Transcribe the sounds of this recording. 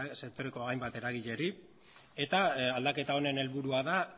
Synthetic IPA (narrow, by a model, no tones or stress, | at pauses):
se̞k̚t̪o̞ɾekoɣajmbat̪e̞ɾaɣ̞iʎe̞ɾi | e̞t̪aald̪ake̞t̪ao̞ne̞ne̞lβuɾuaða